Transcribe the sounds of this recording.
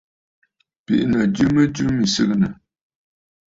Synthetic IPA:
pḭ˨ʔnə˨d͡ʒʉ˦mə˦d͡ʒʉ˦mi˨sɨ˦k̚nə˨

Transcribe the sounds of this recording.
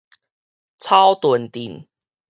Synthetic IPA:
t͡sʰa˦ʊt̪wə˨˩nt̪i˨˩ŋ

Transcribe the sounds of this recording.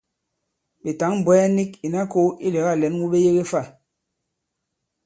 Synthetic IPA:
ɓe˨ta˨˦ŋm̩˨bwɛ˦a˦ni˦ki˨na˦ko˦i˦le˨ɣa˦˨lɛ˨˦n˦wu˦ɓe˦je˦ɣe˦fa˦˨

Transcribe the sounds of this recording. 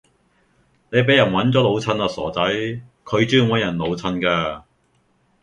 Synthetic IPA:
ne˨˧jp̬e˨˥jɐ˨˩nwɐ˨˥nt͡sɔː˨˥lo˨˧wt͡sʰɐ˧naː˧sɔ̰ː˨˩t͡sɐ˨˥j | kʰɵ˨˧ɥt͡ʃyː˥ŋwɔː˨˥jɐ˨˩nlo˨˧wt͡sʰɐ˧nkaː˧

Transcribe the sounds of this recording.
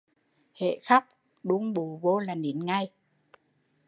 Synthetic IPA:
hḛ˧˨xa˦˥k͡p̚ | ɗu˧˦ŋ͡mɓu˨˩˦vo˧laː˨˩ne˨˦nŋa˧j

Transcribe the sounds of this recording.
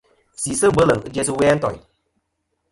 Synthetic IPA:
si˨sɨ˦˨bə˨˦lə˨ŋɨ˦d͡ʒɛ˧sɨ˧wɛː˦n̩˦tɔ̰˨j

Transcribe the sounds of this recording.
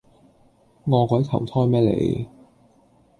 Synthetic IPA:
ŋɔː˨˧kɔː˨˧˥jt̪ʰɐ˨˩wt̪ʰɔː˥jmɛː˥lḛ˨˧j

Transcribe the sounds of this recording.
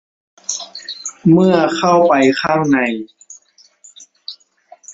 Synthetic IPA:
mɯ˥˩ɐkʰa˥˩wpa˨jkʰaː˥˩ŋna˧˦j

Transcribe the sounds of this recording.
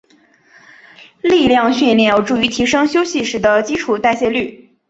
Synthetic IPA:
li˥˧ljɑ˥˧ŋɕɥɛ˥˧nljɛ˥˩jo˨˧˩ʈ͡ʂu˥˩y˧˥t̪ʰi˧˥ʂɤ˥ŋɕjo˥ʊɕi˥˩ʂɻ̩˧˩d̪ə˧t͡ɕi˥ʈ͡ʂʰu˨˩t̪a˥˧ɪɕjɛ˥˧ly˥˩

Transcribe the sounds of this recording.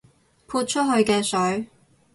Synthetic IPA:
pʰuː˧t̚t͡ʃʰɵ˥t̚ɦɵ˧ɥkɛː˧sɵ˨˥ɥ

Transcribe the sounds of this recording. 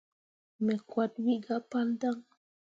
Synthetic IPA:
me˨kʷa˧t̪wi˦ʔɡa˦pa˦ld̪a˦ŋ

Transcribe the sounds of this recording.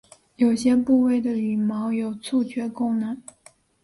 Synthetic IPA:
jo˨˩ʊɕjɛ˥pu˥˧we˥˩ɪd̪ə˩y˨˩mɑ˧˥ʊjo˨˩ʊt͡sʰu˥˧t͡ɕʰɥɛ˧˥kʊ˥˩ŋna˧˥n

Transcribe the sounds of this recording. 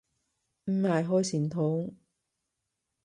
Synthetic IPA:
m̩˨˧laː˨˩jɦɔː˧˥jsiː˨˩nt̪ʰo˨˥w

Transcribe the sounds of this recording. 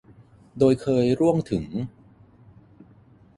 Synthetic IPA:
doː˧jkʰɤː˧jɾu˥˩əŋt̪ʰɯ˩˦ŋ

